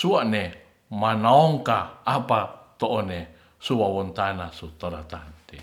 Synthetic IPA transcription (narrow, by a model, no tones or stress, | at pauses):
suaʔne | manaoŋkaːpat̪oʔone | suwawont̪anasut̪oɾat̪ant̪e